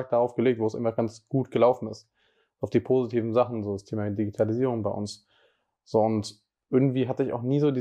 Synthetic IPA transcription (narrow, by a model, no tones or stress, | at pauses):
k̚d̥aʁaʊfɡ̥əleːk̚tv̥oːsʔɪ̰mɐɡansɡ̥uːtɡ̥əlaʊfn̩ɪst | aʊfd̥iːpʰoːzitʰiːvn̩zaχn̩zoːdastʰeːmadiɡitʰaliziːʁ̞ʊŋbaɪʔʊ̰ns | z̥oːʊnt | ʔɪɐɡŋ̩tv̥iːɦatəɪça̰ʊxniːzoːdiː